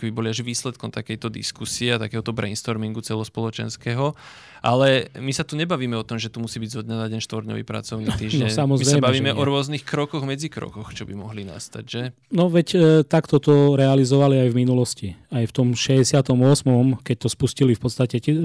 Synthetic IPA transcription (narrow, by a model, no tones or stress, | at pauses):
kbibɔliaʒʋiːslɛt̪̚kɔmt̪akɛjt̪ɔd̪ḭskusiɛat̪akɛːɦɔt̪ɔbɾɛ̰nst̪ɔɾmiŋɡut͡sɛlɔspɔlɔt͡ʃɛ̰nskɛːɦɔ | ʔalɛmisat̪uɲɛbaʋiːmɛɔt̪ɔmʒɛt̪umusiːbiɟzɔd̪ɲɛnaɟɛnʃt̪ʋɔɾɲɔ̰ʋḭːpɾa̰t͡sɔʊnit̪iːʒnɲɔɛɲsamɔziɾɛsɛambaʋiːmɛʔɔɾʊɔznixkɾɔkɔɣmɛd͡zikɾɔ̰kɔxt͡ʃɔbimɔɦlina̰st̪aɟʒɛ | nɔʋɛct̪akt̪ɔt̪ɔɾɛalizɔʋaliajvminulɔsciajft̪ɔmʃɛɛsɪat̪ɔmʊɔsmɔmkɛc̚t̪ɔspuscilifpɔt̪st̪acɛc